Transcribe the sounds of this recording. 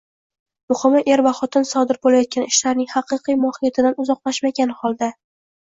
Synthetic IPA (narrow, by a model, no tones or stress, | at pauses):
mʊχɨmaʔe̞ɾvaχɒt̪ʰɪnsɒd̪ɪɾbolajɒt̪̚kʲanɪʃlaɾnɪŋhɑqɨqijmɒhɪjat̪ʰɪd̪anʊzɒqlˠaʃmaɡʲanhɒlˠd̪a